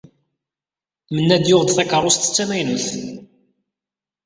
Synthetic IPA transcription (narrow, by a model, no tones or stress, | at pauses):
mənːæd̪jʊʁd̪θækərˤost̪ə̥t͡sːæmæjnuθ